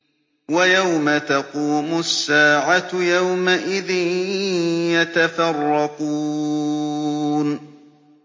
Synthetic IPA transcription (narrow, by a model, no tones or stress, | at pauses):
wajawmat̪ɑquːmʊsːaːʕat̪jawmaʔɪðɪn | jat̪afɑrˤːɑquː | n